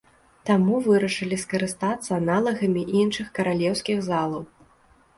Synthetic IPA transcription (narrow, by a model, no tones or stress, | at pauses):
t̪amuvɨɾɐʂɨlʲiskɐɾɨst̪at̪sːɐːnalˠɐɣɐmʲiʔinʂɨxkɐɾalʲɛwsʲkʲiɣzalˠɐw